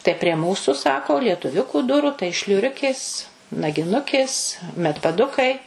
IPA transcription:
tɐɪ pʲrʲiɛ ˈmuːsʊ ˈsɑːkoː lʲiɛtʊˈʋʲʊkuː ˈdʊruː tɐɪ ʃʲlʲʊˈrʲʊkʲeːs nɐɡʲɪˈnʊkʲeːs mʲɛtpɐˈdʊkɐɪ

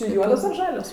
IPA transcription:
t͡ʃʲɛ ˈjuɔdoːs ɐr ˈʒɑːlʲoːs

